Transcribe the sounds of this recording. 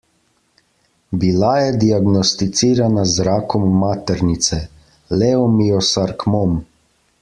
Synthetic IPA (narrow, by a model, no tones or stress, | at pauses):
bilajɛd̪iaɡnɔst̪it̪siːɾanazɾaːkɔmːaːt̪ɛɾnit̪sɛ | lɛɔmiɔsaɾkmɔm